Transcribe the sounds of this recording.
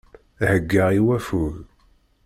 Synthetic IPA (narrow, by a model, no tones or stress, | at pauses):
həɡːəʁiwæfuɣ